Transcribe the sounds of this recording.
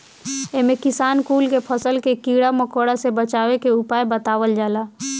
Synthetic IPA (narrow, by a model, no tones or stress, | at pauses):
eɦmẽkɪsaːnkuːlkepʰəsəlkekiɽaməkoɽasebət͡ʃaːʋekeupaːjbət̪aːʋəld͡ʒaːla